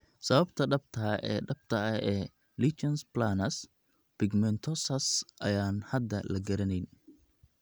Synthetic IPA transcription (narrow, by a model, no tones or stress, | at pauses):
sɐβɐbt̪ʰɐɖɐb̚t̪ʰɐʔɛ̰ːɖɐb̥̚t̪ʰɐɐɛː | lit͡ʃɐnsblaːnɐs | pɪɡmɛnt̪ʰɔsɐsʔɐjaːnhɐd̪ɐlɐɡɐɾɐnɛjn